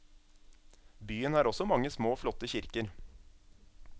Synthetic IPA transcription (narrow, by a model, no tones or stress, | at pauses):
byːənæːɾɔsɔmɑŋːəsmoːflɔt̪əçɪɾkəɾ